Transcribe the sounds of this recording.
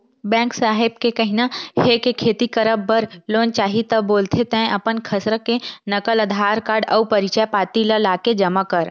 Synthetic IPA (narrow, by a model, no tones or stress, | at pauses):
bɛ̃ːksaːɦɪb̚kekɐɦinahekekʰeːt̪ikəɾəbːəɾloːnt͡ʃaːɦit̪ɐbːoːlt̪ʰet̪ɛ̃ʔɐpənkʰəsɾəkenɐkəlɐd̪ʱaːɾkaːɾɖɐupɐɾɪt͡ʃajpaːt̪ilalaːked͡ʒɐmakəɾ